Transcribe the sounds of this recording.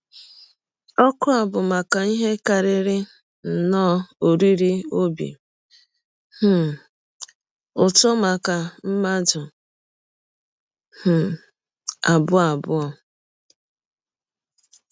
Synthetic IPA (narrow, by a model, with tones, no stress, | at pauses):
ɔ˦kʊ˦a˨bʊ˨ma˨ka˨i˦ɦe˦ka˨ɾɪ˨ɾɪ˦ | n̩˨nɔː˦o˨ɾi˦ɾi˦o˦bḭ˨ | h̩˨ | ʊ˨tɔ˦ma˨ka˨m̩˦ma˦dʊ˨ | h̩˨ | a˨bʊ˦a˨bʊ˦ɔ˦